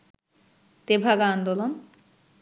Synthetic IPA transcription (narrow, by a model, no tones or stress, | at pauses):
t̪ebʱaɡand̪olon